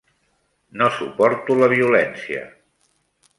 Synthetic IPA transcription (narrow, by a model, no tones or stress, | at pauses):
nosupɔɾt̪uləβ̞iulɛnsiə̰